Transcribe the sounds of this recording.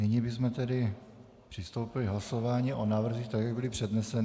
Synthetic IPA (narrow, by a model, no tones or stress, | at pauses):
nɪɲɪbɪzmɛt̪ɛdɪ | pr̥ɪst̪owpɪlɪɦlaso̞vaːɲiʔo̞naːvr̩ziːxt̪akjaɡ̚bɪlɪpr̝̥ɛdnɛsɛnɪ